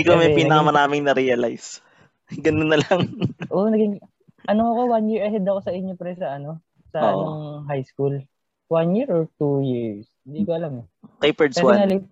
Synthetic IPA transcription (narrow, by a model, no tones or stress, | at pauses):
ikomɐjpiːnɐkɐmɐɾaːmɪŋnɐɾiɐla̰js | ɡɐnonɐlaŋʔonɐɡɪŋ | ʔɐnoɐko̞wanjiɹʔɐɦɛd̪ɐko̞sɐʔɪɲːopɾɛsɐʔɐno̞ | sɐʔʔnɐŋɦajskul | wanjiɹʔoɹt̪ujiɹshɪnd̪ikoʔɐlamɛkejpɛɹswaɐlɪ